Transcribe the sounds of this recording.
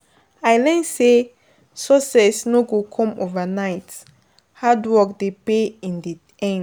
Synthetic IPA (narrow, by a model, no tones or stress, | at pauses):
ajlɛ̃nse | sɔsɛsnoɡokʰɔ̃movanaɪt | hadwɔk̚depeĩndi | ɛ̃n